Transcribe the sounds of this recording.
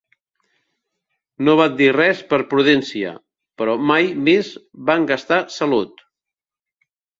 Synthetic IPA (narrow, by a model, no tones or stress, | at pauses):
noβat̪̚d̪irɛspəɾpɾuðɛnsiə̰ | pəɾɔmajmezβaŋɡəst̪asəlut̪